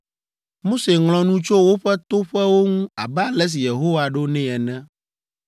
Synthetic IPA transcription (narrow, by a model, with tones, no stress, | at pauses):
mo˦se˨ŋl̃ɔ̃˨nũ˦t͡ʃo˦wo˦ɸɛ˦t̪o˦ɸɛ˦wo˦ŋũ˦a̰˨bɛ˦a˨lɛ˦s̬i˨je˨ɦo˦wa˨ɖo˦nɛ̃˦ɛ˨nɛ̃˦